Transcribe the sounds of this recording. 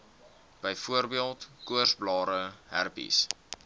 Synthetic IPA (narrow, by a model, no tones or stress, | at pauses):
b̥əjfuərbiəlˠtkuərsblɑːɾəɦærpḭs